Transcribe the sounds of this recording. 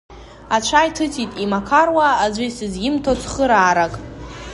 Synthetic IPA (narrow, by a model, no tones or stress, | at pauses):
at͡ʃʷʰajtʰɨt͡sʼitʼimakʰarwaːzʷisɨzɡɪmtʰot͡sʷʰχəɾaːɾakʼ